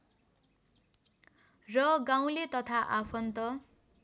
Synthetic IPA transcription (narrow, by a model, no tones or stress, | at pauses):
rʌɡãw̃let̪ʌt̪ʰaʔapʰʌnt̪ʌ